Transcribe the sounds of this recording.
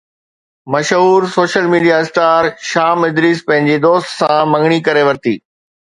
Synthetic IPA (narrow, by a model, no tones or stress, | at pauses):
mɐʃɦuːɾsoːʃəlmiːɖijasʈaːɾʃaːmɪd̪ɾiːspɐ̃ɦɪ̃ɲ̆d͡ʑed̪oːst̪sãmɐ̃ŋɡɽ̃ikɐɾeʋɐɾt̪ḭː